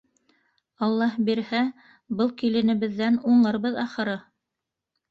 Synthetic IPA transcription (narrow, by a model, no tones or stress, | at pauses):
ɑlˠːɑhbiɾhæ | bɤlˠkilɘ̆nɘ̆βɘ̆ðːænuɴlˠɤ̆ɾβɤðɑχɤ̆ɾɤ